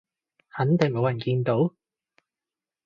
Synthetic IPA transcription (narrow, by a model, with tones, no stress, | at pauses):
hɐ˨˥nt̪ɪ˨ŋmo˨˧wjɐ˨˩nkiː˧nt̪o˨˥w